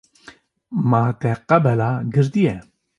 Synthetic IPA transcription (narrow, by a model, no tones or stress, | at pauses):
mat̪ɛqabɛlaɡɨɾd̪ijɛ